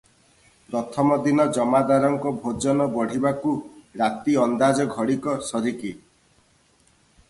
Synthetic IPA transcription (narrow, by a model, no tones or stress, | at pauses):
pɾɔt̪ʰɔmɔd̪inɔd͡ʒɔmad̪aɾɔŋkɔbʱod͡ʒɔnɔbɔɽ̤ibakuɾat̪iɔnd̪ad͡ʒɔɡʱɔɽikɔsɔɾiki